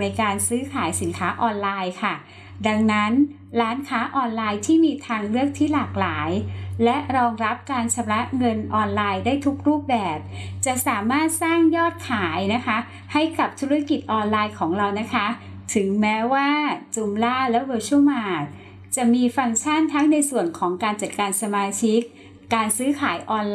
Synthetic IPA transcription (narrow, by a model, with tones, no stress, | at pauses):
na˧jkaː˧nsɯː˦˥kʰaː˩˦jsi˨˩˦nkʰaː˦˥ʔɔː˧nlaː˧jkʰa˥˩ | da˧ŋna˦˥n | ɾaː˦˥nkʰaː˦˥ʔɔː˧nlaː˧jt̪ʰiː˥˩miː˧t̪ʰaː˧ŋlɯ˥˩ək̚t̪ʰiː˥˩laː˨˩k̚laː˩˦jlɛ˦˥ɾɔː˧ŋɾa˦˥p̚kaː˧nt͡ɕʰa˧˥mla˦˥ŋɤ˧nʔɔː˧nlaː˧jdaː˥˩jt̪ʰu˦˥k̚ɾuː˥˩p̚bɛː˨˩p̚t͡ɕa˨˩ʔsaː˩˦maː˥˩t̪̚saː˥˩ŋjɔː˥˩t̪̚kʰaː˩˦jna˦˥kʰa˦˥ | ha˥˩jka˨˩p̚t̪ʰu˦˥ɾa˦˥ki˨˩t̪̚ʔɔː˧nlaː˧jkʰɔː˩˦ŋɾa˧wna˦˥kʰa˦˥ | t̪ʰɯ˩˦ŋmɛː˦˥waː˥˩t͡ɕu˧mlaː˥˩lɛ˦˥wɤː˧t͡ɕʰu˥˩maː˧˩t̚ | t͡ɕa˨˩miː˧fa˧ŋt͡ɕʰa˥˩nt̪ʰa˦˥ŋna˧jsu˨˩ənkʰɔː˩˦ŋkaː˧nt͡ɕa˨˩t̪̚kaː˧nsa˧maː˧t͡ɕʰi˦˥k̚ː | aː˧nsɯː˦˥kʰaː˩˦jʔɔː˧n